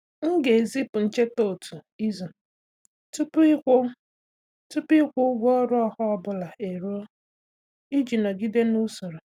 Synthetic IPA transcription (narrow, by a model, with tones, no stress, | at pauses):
ŋ̩˦ɡe˨zi˦pʊ˨n̩˨t͡ʃe˦to˦˨tu˨ | i˦zo˨ | tu˦pkʷʊ˦ | tu˦pi˦kʷʊ˦ɡʷɔ˦ɾʊ˦ɔ˦hɔ˦ɔ˦bʊ˦la˨e˨ɾo˦o˦ | i˦d͡ʒi˨nɔ˨ɡi˦de˦nu˦so˨ɾo˨